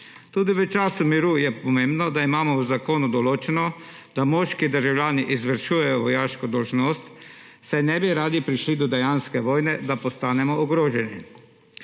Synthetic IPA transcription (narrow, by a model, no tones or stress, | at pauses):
t̪uːd̪iʋət͡ʃaːsumiɾujɛpɔmembnɔd̪aimaːmɔwzakoːnud̪ɔloːt͡ʃɛnɔ | d̪̥amoːʃkid̪əɾʒawlʲjaːniʔizʋəɾʃuːjɛjɔʋɔjaːʃkɔd̪ɔlʒnoːst̪ | sɛnɛbiɾaːd̪ipɾiʃlid̪ɔd̪ɛjanskɛʋoːjnɛd̪apɔst̪aːnɛmɔɔɡɾoːʒɛni